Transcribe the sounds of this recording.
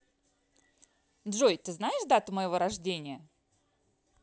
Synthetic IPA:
d̪ʐojt̪ɨznajɪʂd̪at̪əməjɪvo̞ɾɐʐdʲenʲɪjə

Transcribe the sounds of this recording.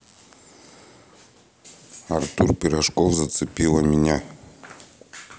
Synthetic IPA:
art̪urpʲiɾaʂkofzat̪sɨpʲilˠamʲinʲa

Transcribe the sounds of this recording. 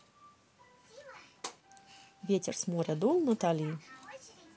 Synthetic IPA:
vʲetʲɛ̰rsmɔɾʲɛd̪ɔlˠnɐt̪alʲiji

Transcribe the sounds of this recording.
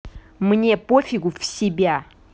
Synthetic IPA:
mnʲepofʲɪɡʊfsʲɪbʲa

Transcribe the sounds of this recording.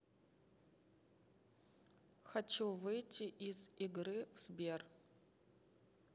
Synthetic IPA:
xɐt͡ʃuvɨjtʰʲiʔiziɡrɨvz̥bʲer

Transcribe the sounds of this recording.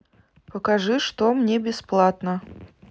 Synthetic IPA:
pəkɐʐɨʂt̪omnʲebʲɪsplˠat̪nə

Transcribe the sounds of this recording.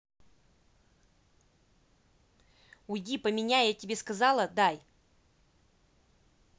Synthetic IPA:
ʊjdʲipəmʲɪnʲajatʲɪbʲeskɐzɑlˠəd̪aj

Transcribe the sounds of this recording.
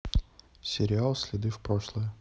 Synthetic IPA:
sʲɪɾʲɪalˠsʲlʲɪd̪ɨfpɾoʂlˠəjə

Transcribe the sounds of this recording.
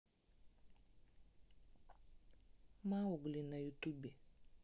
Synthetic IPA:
mawoɡulinajutube

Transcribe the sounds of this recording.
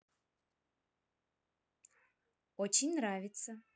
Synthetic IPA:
ot͡ʃʰenʲnravʲɪt̪sə

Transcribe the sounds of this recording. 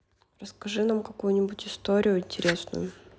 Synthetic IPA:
rəskɐʐɨnamkɐkujʊnʲɪbʊtʲɪst̪oɾʲɪjʊɪnʲtʲɪɾʲe̞snʊ̰jʊ

